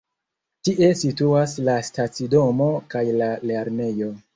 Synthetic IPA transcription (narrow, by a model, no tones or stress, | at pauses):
tiʔe̞situaslastat͡sido̞mo̞kajlale̞ɾne̞jo̞